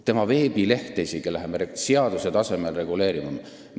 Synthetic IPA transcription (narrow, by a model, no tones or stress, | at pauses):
t̪e̞mɑve̞ːbile̞ht̪eisiɡelæɦemeseɑd̪̥use̞t̪ɑse̞melre̞ɡ̥ule̞ːɾimɑ